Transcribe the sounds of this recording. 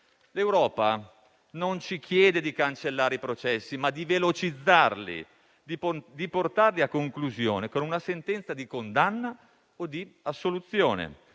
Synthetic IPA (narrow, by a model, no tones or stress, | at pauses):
lewɾɔːpa | nont͡ʃik̟ʰjɛːd̪ed̪ikant͡ʃelːaːɾeipɾot͡ʃɛsːimad̪ivelot͡ʃid̪zːarlḭ | d̪d̪iport̪arliakːoŋkluzjoːnekonunasent̪ɛnt̪sad̪ikond̪anːa | od̪iasːolut̪sːjoːnḛ